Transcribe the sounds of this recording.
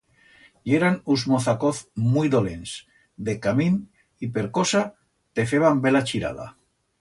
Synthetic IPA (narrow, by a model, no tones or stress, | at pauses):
ieɾanuzmoθakoθmujðolḛns | d̪ekamin | ipeɾkosa | t̪efeβambelat͡ʃiɾa̰ða̰